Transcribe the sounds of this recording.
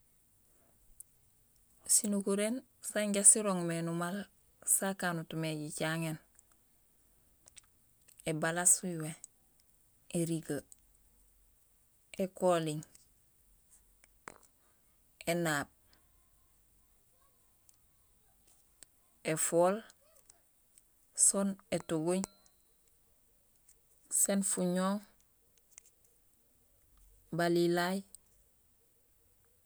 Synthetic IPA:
sinukuɾen | saɲɟasiɾoŋmenumal | sakaːnutumeɟicaŋen | ebalasuwe | eɾiɡə | ekoːliŋ | ʔenaːb̚ | efoːl | sonetuɡuɲ | senfuɲoːŋ | balilaj

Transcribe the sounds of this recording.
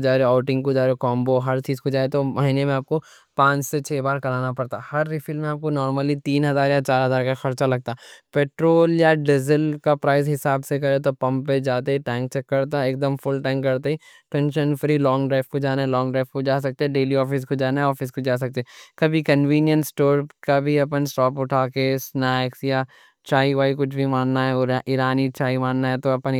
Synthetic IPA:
d͡ʒaːɾeaːʊʈɪ̃ŋɡkod͡ʒaːɾekɔ̃ːmboɦɐɾt͡ʃiːzkod͡ʒaːet̪omɐɦiːnemẽaːp̚ko | pãːt͡ʃset͡ʃʰeːbaːɾkɐlaːnapɐɽt̪ahɐɾːifɪlmẽaːp̚konɔːɾməlit̪iːnɦɐzaːɾjat͡ʃaːɾɦɐzaːɾkaxɐɾt͡ʃalɐɡ̚t̪apeːʈɾoːljaɖɪzəlkapɾaːɪzɦɪsaːbsek̬ɐɾet̪opɐ̃mpped͡ʒaːt̪eɦiʈɛ̃ːŋk̚t͡ʃɛkːɐɾt̪̬aeːk̚d̪əmfʊlʈɛ̃ːŋkːɐɾt̪eɦɛʈɛ̃ːnʃənfɾiːlɔːŋɡɖɾaːfkod͡ʒaːnaɛlɔ̃ːŋɡɖɾaːfkod͡ʒaːs̬ɐk̚t̪eɦɛɖeːliɔːfɪs̬kod͡ʒaːnaɦɛɔːfɪskod͡ʒaːs̬ɐk̚t̪eɛkɐbʱikɐnʋiːnjənsʈoːɾkabʱiɐpənsʈɔːpʊʈʰaːkesnaːɪksja | t͡ʃaːiʋaːikʊt͡ʃʰbʱimãːnːaɦɛɾʔɪɾaːnit͡ʃaːimaːnnaɦɛt̪oɐpən

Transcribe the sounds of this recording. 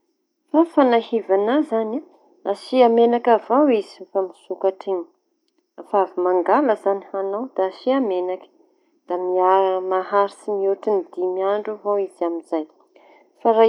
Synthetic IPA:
fafanahivanazana | asiamenakavawizi̥famisukaʈ͡ʂiɲə̥ | avavimaŋɡaləzanihanawd̪̥aasiamenakə̥ | d̪̥amiamaɦaɾisimiuʈ͡ʂinid̪imiaɳɖ͡ʐuvawizaminzaj | faɾa

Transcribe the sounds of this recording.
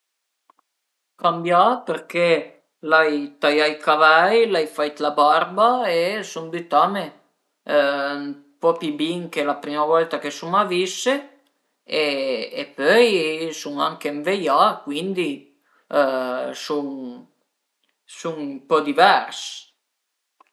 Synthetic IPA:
kambjapeɾke | lajt̪ajajkavajlajfajt̪labaɾbaesuŋd̪yt̪ame | m | pɔpibiŋkelapɾimavɔlt̪akesuŋavisːe | eːpøjsuŋaŋkeɱvejakwind̪i | suŋ | suŋmpɔd̪ivɛrs

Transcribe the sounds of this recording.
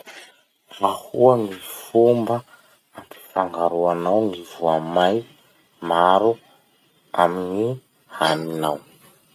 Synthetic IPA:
ahuaŋifumbə | ampi̥faŋɡaɾuanawŋivuamaj | maɾu | amini | haninaw

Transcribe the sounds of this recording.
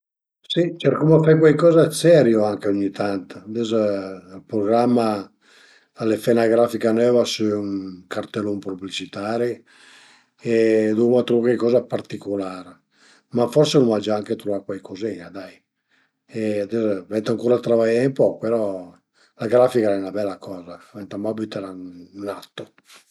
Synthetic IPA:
sit͡ʃɛɾkomafajkwajkɔːzasɛɾjoaŋkeoɲːit̪ant̪ad̪ɛzilpɾoɡɾamːa | alefɛnaɡɾafikanɛːvasuɛuŋkart̪elːompublit͡ʃit̪aːɾe | ed̪umat̪ɾookekɔːzapart̪ikolaːɾ | mafɔɾsenumad͡ʒaaŋket̪ɾovaɾkwajkoziɲad̪aj | ɛd̪ɛzvɛnt̪aŋkuːɾat̪ɾavajɛmpɔpeɾɔ | laɡɾaːfikaɛnabɛlːakɔːzavɛnt̪amabit̪ɛɾanat̪ːo

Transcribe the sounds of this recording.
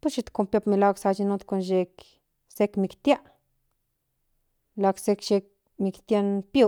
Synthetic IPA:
puʃit̪kompjapmilaɡsat͡ʃinut̪konʃek | sekmikt̪ʲja | laksekʃek̚ | mikt̪janpjo

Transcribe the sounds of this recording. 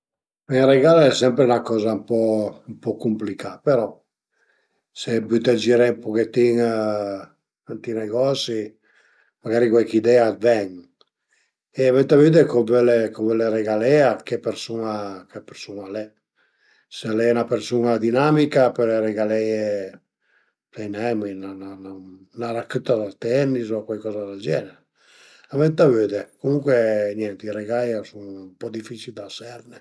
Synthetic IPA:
iŋreɡaleɛsɛmpɾeunakɔːzampɔmpɔkumplikapeɾɔ | sebyt̪ed͡ʒiɾepoket̪ːiŋ | ant̪ineɡɔsi | maɡaːɾikwɛkid̪ɛad̪vɛŋ | eːvẽnt̪walment̪ekobɛlekovɛleɾeɡalɛakepːeɾsunakepeɾsunalɛ | sealɛnapeɾsunad̪inamikapeɾeɾeɡalɛje | lɛjnɛminanana | naɾakyt̪ːad̪alt̪ɛnːizɔkwajkɔːzad̪ad͡ʒɛneɾe | avɛnt̪avød̪ekomuŋkweɲɛnt̪iɾeɡajasuŋmpɔd̪ifit͡ʃild̪asɛɾne

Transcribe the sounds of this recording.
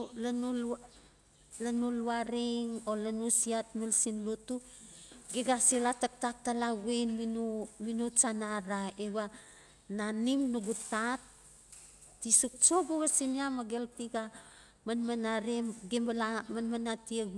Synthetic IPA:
lanul | lanuluaɾiŋolanusiatmilsinlutu | ɡeɡasilatak̚tak̚talaɡenminuminut͡ʃanaɾaeβa | nanimnuɡutatː | isuk̚t͡ʃoɡuβasiniamaɡeltiɡa | manmanaɾemɡembalamanmanatie

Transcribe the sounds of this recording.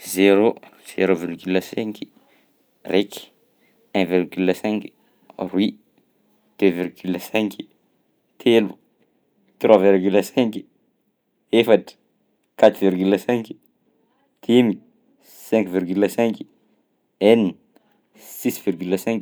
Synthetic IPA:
zeɾo | z̥eɾovirɡyləsɛ̃ŋki̥ | reki̥ | ɛ̃virɡyləsɛ̃ŋki̥ | rwi | d̪̥øvirɡyləsɛ̃ŋki̥ | t̪ʰelu̥ | t̪rwaviɾɡyləsɛ̃ŋki̥ | efaʈ͡ʂə̥ | kat̪uvirɡyləsɛ̃ŋki̥ | t̪ʰemi | sɛ̃ŋkvirɡyləsɛ̃ŋki̥ | eni | sisvirɡyləsɛ̃ŋk

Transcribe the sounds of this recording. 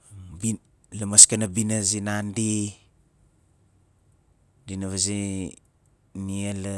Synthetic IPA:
bi | lamaskanabinazinandi | dinaβazi | niala

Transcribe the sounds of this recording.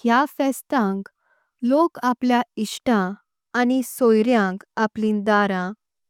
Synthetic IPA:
hjafɛst̪ãŋk | lokapljaiʂʈãː | nisojɾjãŋkaplĩːnd̪aɾã

